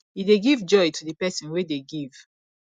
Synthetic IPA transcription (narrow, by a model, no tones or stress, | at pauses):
ideɡivd͡ʒɔjtʰudəpɛsɔ̃nwedeɡiv̥